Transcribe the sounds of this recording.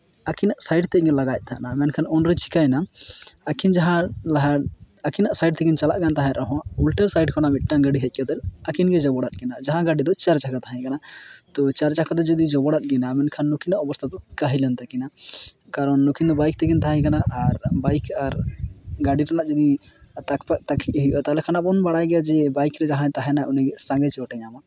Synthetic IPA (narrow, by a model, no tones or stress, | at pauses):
akʰinaʔsajɖt̪ɛɡɛlaɡajc̚ˀt̪ʰa̰ʔnamɛnkʰanɔnɾɛt͡ʃi̥kaɛnaː | kʰind͡ʒaɦãlaɦa | akʰinaʔsajɖ̚t̪ɛɡint͡ʃalaʔɡant̪aɦãʔɔɦɔ̃ulʈɛɾsajɖkɔnamiʈ̚ːaɡaɖiɦɛc̚ˀkad̪ɛlakinɡɛd͡ʒɔbɔɽat̪̚ˀɡɛnad͡ʒaɦãɡaɖid̪ɔt͡ʃaɾt͡ʃakat̪aɦɛ̃kanat̪ɔt͡ʃaɾt͡ʃakʰad̪ɔd͡ʒɔd̪id͡ʒɔbɔɽat̪̚ɡɛnamɛnkʰanːukʰinaʔɔbɔst̪ʰat̪ɔkaɦilɛnt̪akinakaɾɔnːɔkʰind̪ɔbajk̚t̪ʰɛɡint̪aɦãkanaʔːɾbajkʰaɾɡaɖiɾanaʔd͡ʒɔd̪i | t̪akpak̚t̪akʰic̚ɦijʔɔt̪alɛkʰanaʔbɔnbaɽajɡɛjad͡ʒɛbajkɾɛd͡ʒaɦãt̪aɦɛ̃naʔunɛɡɛsãŋɡɛt͡ʃɛɔʈɛɲama